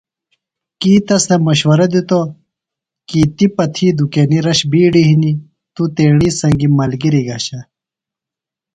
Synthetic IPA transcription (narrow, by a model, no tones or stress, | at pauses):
kiːt̪ɐsnɐmɐɕwɐɾɐd̪it̪o | kiːt̪ipɐt̪ʰiːd̪ukeniɾɐɕbiːɖiɦini | t̪ut̪eːɳiːsɐ̃ŋɡimɐlɡiɾiɡɐɕɐ